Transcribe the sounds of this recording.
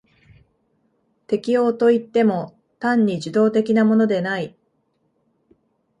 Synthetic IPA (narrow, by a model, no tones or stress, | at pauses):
t̪e̞kʲio̞ːt̪o̞it̪ːe̞mo̞ | t̪ãɲ̟ːiʑɨd̪o̞ːt̪e̞kʲinamo̞no̞d̪e̞nai